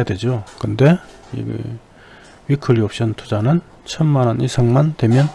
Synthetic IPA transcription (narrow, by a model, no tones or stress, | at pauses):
adwe̞d͡ʑokɯnde̞ | ḭ | ɥikʰɯɭiop̚ɕ͈ʌntʰud͡ʑanɯn | t͡ɕʰʌnmanʌnisʰʌŋmantwe̞mjʌn